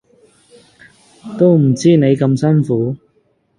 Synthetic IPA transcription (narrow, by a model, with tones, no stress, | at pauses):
t̪o˥wm̩˨˩t͡siː˥ne˨˧jkɐ˧msɐ˥nfuː˨˥